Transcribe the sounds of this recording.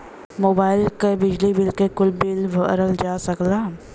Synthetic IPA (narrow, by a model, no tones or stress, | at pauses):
moːbaːɪlkebɪd͡ʒlibɪlkekʊlbɪlʋəɾəld͡ʒaːsɐklaː